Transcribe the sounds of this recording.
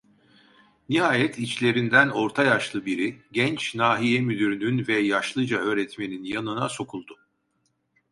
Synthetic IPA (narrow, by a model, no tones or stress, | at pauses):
niɦaːjɛt̪ʰit͡ʃlʲe̞ɾind̪æno̞ɾt̪ʰajaʃlˠɯbiɾiɟɛnt͡ʃnaːɦijɛmyd̪yɾynynvɛjaʃlˠɯd͡ʒaø̞ːɾɛt̪me̞ninjanɯnaso̞kʰulˠd̪̥ʊ